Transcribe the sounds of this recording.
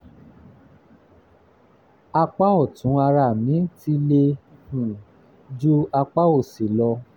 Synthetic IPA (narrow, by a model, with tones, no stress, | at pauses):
a˧k͡pa˦ɔ˦˨tũ˨˦a˧ɾa˦˨mĩ˨˦ti˦le˧hũ˨ | d͡ʒu˦a˧k͡pa˦o˦˨si˨lɔ˧